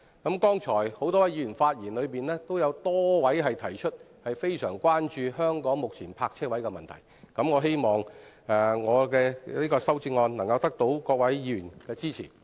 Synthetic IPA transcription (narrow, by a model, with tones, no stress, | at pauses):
kɐ˨˥mkɔː˥ŋt͡sʰɔː˨˩jho˨˥wt̪ɔ˥wɐ˨˦jy˨˩nfaː˧t̚jiː˨˩nlɵ˨˧ɥpiː˨nlɛː˥t̪o˥wjɐ˨˧wt̪ɔː˥wɐ˨˥jɦɐ˨jt̪ʰɐ˨˩jt͡ʃʰɵ˥t̚ | hɐ˨jfe˥jsœː˨˩ŋkʷwaː˥nt͡ʃyː˧ɦœː˥ŋkɔː˨˥ŋmʊ˨k̚t͡sʰiː˨˩npʰaː˧k̚t͡ʃʰɛː˥wɐ˨˥jkɛ˧mɐ˨nt̪ʰɐ̰˨˩jkɐ˨˥mŋɔː˨˧ɦe˥jmɔː˨ŋ | ɛː˨˩ŋɔː˨˧kɛː˧liː˥kɔː˧sɐ˥wt͡si˧ŋːɔː˧nnɐ˨˩ŋkɐ˧wt̪ɐ˥k̚t̪o˨˥wkɔː˧k̚wɐ˨˥jy˨˩nkɛː˧t͡siː˥t͡sʰḭː˨˩